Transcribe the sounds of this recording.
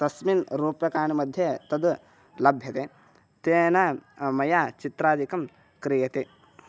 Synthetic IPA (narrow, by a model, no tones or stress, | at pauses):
t̪ɐsminɾuːpjɐkaːɳimɐd̪ʱjet̪ɐd̪ | lɐbʱjɐt̪e | t̪eːnamɐjaːt͡ʃit̪ɾaːd̪ʱikɐm | kɾijɐt̪e